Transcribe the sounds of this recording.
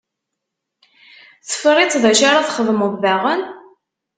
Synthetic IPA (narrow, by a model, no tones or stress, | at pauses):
θə̥fəʁit͡sːðæʃaɾaθχəðˤməðvæʁən